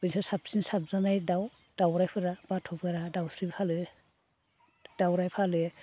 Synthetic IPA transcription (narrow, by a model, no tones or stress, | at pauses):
bɯnisasap̚sinsap̚zanajdaw | d̥awɾajpʰɯɾabatʰɔpʰɯɾadawsɾipʰalɯ | d̥awɾajpʰalɯ